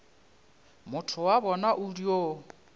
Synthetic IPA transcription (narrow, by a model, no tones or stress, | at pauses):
mʊtʰʊwaβɔnaʔurio